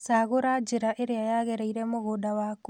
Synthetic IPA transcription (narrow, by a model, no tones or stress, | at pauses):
saɣoɾad͡ʒeɾaʔeɾeajaɣɛɾɛiɾɛmoɣodawak